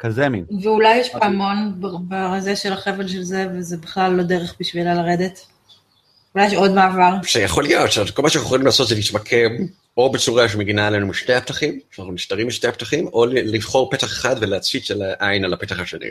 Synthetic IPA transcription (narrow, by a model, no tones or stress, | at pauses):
kazeminveulajːeʃpaamo̞nbbeʁazeʃelaχevelʃelzevezebiχlalːo̞deʁeχbiʃvilalaʁed̪et | ulajeʃo̞dmaːvaʁʃejaχo̞lijo̞tʃavkolmaʃanaχuχolimlaːso̞t̪zelitmakʰem | o̞bet͡suʁaʃ̬emeɡinaelenumiʃte̞jhap̚t̪aχimʃanaχnuniʃtaʁimːbiʃtejapt̪aχimo̞livχo̞ʁpet̪aχeχadveleat͡sit͡ʃelaʔajnalapet̪aχhaʃenḭ